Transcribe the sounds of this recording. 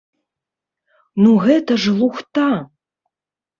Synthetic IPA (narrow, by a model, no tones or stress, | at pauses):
nuɣɛt̪ɐʐlˠuxt̪a